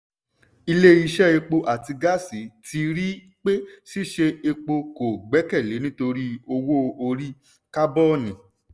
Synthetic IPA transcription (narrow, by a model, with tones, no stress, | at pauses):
i˧le˦i˧ʃɛ˦e˧k͡po˧ʔa˨ti˧ɡa˦˨si˨˦tʰi˧ɾi˦ | k͡pe˦si˦˨ʃe˧e˧k͡po˧ko˨ɡ͡bɛ˨˦kɛ˦˨le˨˦nĩ˦to˧ɾi˦o˧wo˦o˧ɾi˦ | ka˦bɔ˦˨nĩ˨